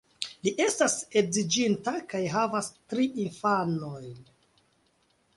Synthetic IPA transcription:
liʔe̞stase̞zid͡ʒintakajɦavastɾiʔinfanojn

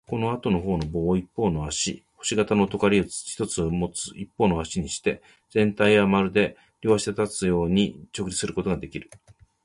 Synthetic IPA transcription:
ko̞no̞at̪o̞no̞ɦo̞ːno̞bo̞ːipːo̞ːno̞aɕḭho̞̥ɕiɡat̪ano̞t̪o̞kaɾʲit͡sçi̥t̪o̞t͡sɨmo̞t͡sɨ̥ipːo̞ːnoaɕiɲ̟iɕi̥t̪e̞ | d͡zẽ̞nt̪aiamaɾɯ̟d̪e̞ | ɾʲo̞βaɕi̥t̪et̪at͡sɨjo̞ːɲ̟it͡ɕo̞kɯ̟d͡ʑisɨɾɯ̟ko̞t̪o̞ɡad̪e̞kʲiɾɯ̟

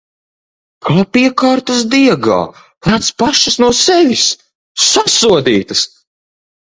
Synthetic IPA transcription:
klˠapiɛkaːɾt̪ɐsd̪iɛɡa̰ː | laːt̪spaʃɐsnuɔsɛvʲisː | asuɔd̪iːt̪ɐs

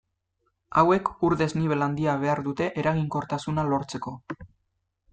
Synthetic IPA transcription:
awe̞kuɾðe̞zniβe̞land̪iaβ̞e̞aɾðut̪e̞ʔeɾaɣ̞iŋko̞ɾt̪asunalo̞ɾt͡se̞ko̞

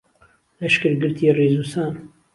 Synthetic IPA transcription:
lɐʃkɨɾɡɨɾt̪ʰiːreːzuːsaːn

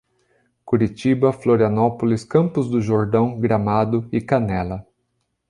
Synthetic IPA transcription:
kuɾit͡ʃibɐfloɾiɐnɔpolɪskɐ̃mpʊzd̪ʊʒoɾd̪ɐ̃w̃ɡɾamad̪ʊɪkanɛlɐ

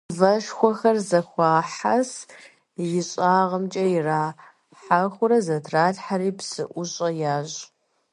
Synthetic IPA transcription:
vɐʃxʷɔxɐrzɐxʷɑːħas | jɪɕʼaːʁəmt͡ʃʼɐjɪraː | ħaxʷʊɾɐzɐtʰraːɮħaɾiːpsɨʔʷʊɕʼɐjaːɕʼ

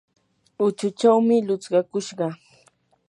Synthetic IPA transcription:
ʊt͡ʃʊt͡ʃawmɪlʊt͡sɢɑkʊʃɢɑ

